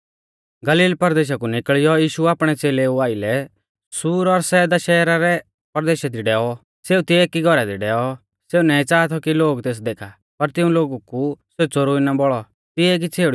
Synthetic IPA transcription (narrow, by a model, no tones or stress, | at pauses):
ɡɐliːlpɐɾd̪eːʃ̬akunɪkɭɪjɔjiːʃuaːpɽ̃ɛt͡seːleuaːɪlɛ | suːɾɔɾsɛːd̪aʃɛːɾaɾɛ | pɐɾd̪eːʃad̪iɖɛːɔ | seːut̪ɪɛkiɡʱɔɾad̪iɖɛːɔ | seunɛːit͡saːt̪ʰɔkiloːɡt̪eːs̬d̪eːkʰa | pɐɾt̪ɪũloːɡukuseut͡soɾuinabɔɭɔ | t̪ɪɛk̬it͡sʰeːɽ